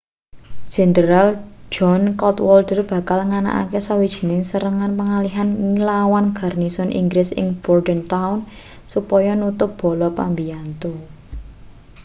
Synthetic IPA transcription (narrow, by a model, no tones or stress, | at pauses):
ʒ̥ɛ̤nd̪əɾald͡ʒɔnkɔt̪wɔldərb̥ä̤kalŋana̰ʔa̰kesawid̥ʒ̥i̥̤nɪŋsəɾəŋanpəŋaliɦanŋilawanɡ̥arnisɔnʔḭŋɡɾɪsɪ̰ŋb̥ɔrdənt̪aʊn | supɔjɔnut̪ʊp̚b̥ɔ̤lɔpambiant̪o